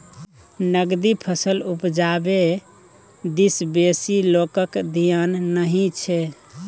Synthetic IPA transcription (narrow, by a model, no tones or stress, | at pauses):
nəɡd̪ipʰəsəlupd͡ʒabe | d̪isbesilokəkd̪ʱijanːəɦĩt͡ʃʰɛ